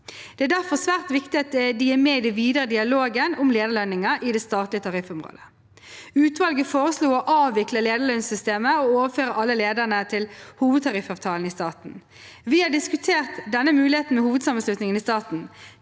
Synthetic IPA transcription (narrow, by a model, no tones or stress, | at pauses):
d̪̥ɛæːɖ̪æʁfɔsʋæːʁt̪ʋɪkt̪ɪɑt̪̚d̪ɪæmeːɪd̪ɛʋiːd̪əʁəd̪ɪɑloːɡənʊmleːd̪əɭœnːɪŋəʔɪd̪ɛst̪ɑːt̪lɪət̪ʰɑʁɪfʊmʁo̰ːd̪ə̥ | ʉːt̪ʋɑlɡəfoːʁəsluːɔʔɑːʋʋɪkləleːd̪əɭœnsʏst̪eːməooːʋəføːʁəʔɑlːəleːd̪ənət̪ʰɪlhuːʋəd̪̚t̪ʰɑʁɪfɑʋt̪ʰɑːln̩ɪst̪ɑːt̪n̩ | ʋɪhɑɖɪskʉt̪ʰeːʁt̪d̪ɛnːəmʉːlɪheːt̪n̩mɛhuːʋəd̪sɑːmənslʉt̪nɪŋənɪst̪ɑːt̪n̩